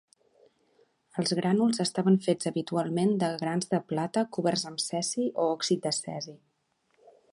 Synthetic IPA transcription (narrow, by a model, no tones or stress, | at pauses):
əlˠzɣɾanulˠzəst̪aβəɱfez̥əβit̪ualˠmend̪əɣɾanzðəplat̪əkuβɛrzəmsɛsiʔoɔksit̪̚d̪əsɛ̰zi